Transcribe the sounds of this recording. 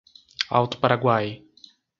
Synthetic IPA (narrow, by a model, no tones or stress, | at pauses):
a̰wt̪ʊ̥paɾaɡwaj